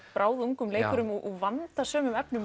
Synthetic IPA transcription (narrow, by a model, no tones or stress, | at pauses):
pɾʔaːwðuŋkʏmleːjkʏɾʏmɔʔɔɣvant̪asœːmʏmɛpnʏm